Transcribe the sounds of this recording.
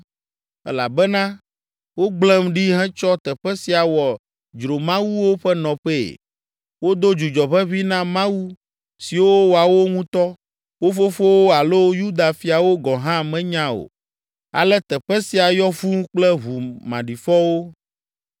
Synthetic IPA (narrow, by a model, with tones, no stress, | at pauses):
ɛ̰˦la̰˨bɛ˦nã˦ | wo˦ɡ͡blɛ̃˦mɖi˦ɦɛ̃˦t͡ʃɔ˦t̪ɛ˨ɸɛ˦si˨a˨wɔ˨ | d͡ʒɾo˨mã˦wu˦wo˦ɸɛ˦nɔ̃˨ɸḛ˦˨ | wo˦d̪o˦d͡ʒu˨d͡ʒɔ˨ɸɛ˦βi˦nã˦mã˦wu˦ | si˨wo˦wo˨a˨wo˦ŋũ˦t̪ɔ˦ | wo˦fo˦fo˦wo˦a˨lo˦ju˦d̪a˨fi˨a˨wo˦ɡɔ˨ɦã˦mɛ̃˦ɲã˦o̰˨ | a̰˨lɛ˦t̪ɛ˨ɸɛ˦si˨a˨jɔ˦fu˦k͡plɛ˦βu˨mã̰˨ɖi˨fɔ˦wo˦